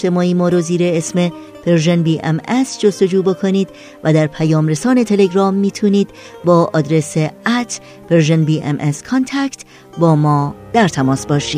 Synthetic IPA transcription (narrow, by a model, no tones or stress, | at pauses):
t̪e̞mɒːiːmɒːɾoziːɾeesme̞ | pʰeɾʒenbiːʔḛmesd͡ʒost̪o̞d͡ʒuːbe̞kʰoniːd̪ | væd̪æɾpʰæjɒːmɾe̞sɒːne̞t̪ʰe̞le̞ɡɾɒːmːiːt̪ʰuːniːd̪ | bɒːʔɒːd̪ɾe̞seæt̪ʰ | b̥eɾʒenbiːʔḛmʔeskʰont̪ʰækt̪ | bɒːmɒːd̪̥æɾt̪ʰæmɒːsbɒːʃiːd̥̪